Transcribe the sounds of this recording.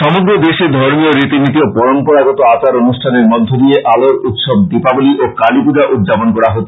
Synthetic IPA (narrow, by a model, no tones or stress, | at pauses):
ʃɔmoɡɾod̪eʃed̪ʱoɾmioɾit̪init̪iopɔɾompɔɾaɡɔt̪oat͡ɕaɾonuʃʈʰaneɾmɔd̪ʱːod̪ieʔaloɾut̪ʃɔb̚d̪ipaboliʔokalipud͡ʑaʔut̪̚d͡ʑaponkɔɾaɦot̪o